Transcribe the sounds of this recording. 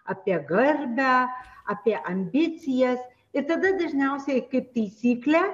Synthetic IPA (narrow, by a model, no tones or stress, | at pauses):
ɐːpʲiɛɡɐɾʲbʲæɐːpʲiɛʔɐmʲbʲɪsʲɪjɛs | ɪɾt̪ɐd̪ɐd̪ɐʒʲnʲɛʊsʲɛɪkɐɪp̚t̪ɐɪsʲiːklʲæː